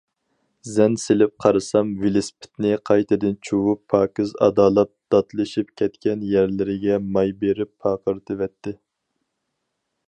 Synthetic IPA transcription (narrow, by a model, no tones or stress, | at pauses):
zɛnselɪp̚qʰɑɾɨsɑmvilɪspʰɪ̥t̪nɪqʰɑjt̪ʰɨd̪ɨnt͡ʃʰuwupʰːɑːkɨzɑ̰d̪ɑːlˠɑp̪̚d̪̥ɑt̪lˠɨʃip̚kʲʰɛt̪kʲɛnjɛɾlɪɾɪɡʲɛmɑjbeɾɪpʰːɑːqəɾt̪ʰɨvɛt̪ʰːɪ